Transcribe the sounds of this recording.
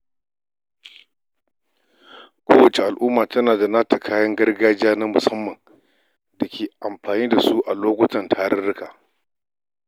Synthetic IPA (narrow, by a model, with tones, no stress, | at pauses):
kʷʰoː˦wɐ˨t͡ʃe˨ʔa˨lʔʊː˦maː˨tɐ˦naː˨da˨naː˦ta˨kʰaː˦jɐ˦ŋɡɐ˦rɡaː˦d͡ʒi˦aː˦na˦mʊ˨sɐ˦mːɐ˨ŋ | dɐ˨kʲʰeː˨ʔa˨mɸaː˨niː˦da˨su˦ʔa˨loː˦kʷʊ˦tɐ˨ntʰaː˨˦ɽɐ˦ɽɪ˦kaː˨